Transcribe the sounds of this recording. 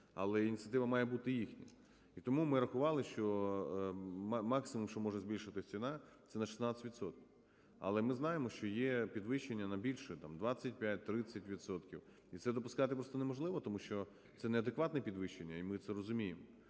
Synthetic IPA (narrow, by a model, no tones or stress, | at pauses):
ɐ̰lˠɛinʲit̪sʲiɐt̪ɪʋɐmɑjɛbut̪ɪjixnʲi | it̪ɔmumɪɾɐxʊʋɑlˠɪʃt͡ʃɔ | mɑksɪmumʃt͡ʃɔmɔʒɛzʲbʲilʲʃɪt̪ɪsʲt͡sʲinɑt̪sɛnɐʃɪ̥snɑɪtʲʋʲit̪sɔt̪̚kʲiw | ɐ̰lˠɛmɪznɑjemɔʃt͡ʃɔjepʲid̪ʋɪʃt͡ʃːenʲːɐnɐbʲilʲʃɛt̪ɑmd̪ʋɑt͡sʲːɐt̚ʲpʲjat̚ʲt̪ɾɪt͡sʲːɐtʲʋʲit̪sɔt̪kʲiw | it̪sɛd̪ɔpʊskɑt̪ɪpɾɔst̪ɔnemɔʒlˠɪʋɔt̪ɔmuʃt͡ʃɔ | t̪sɛneɐd̪ekʋɑt̪nɛpʲid̪ʋɪʃt͡ʃenʲːɐimɪt̪sɛɾɔzʊmʲijemɔ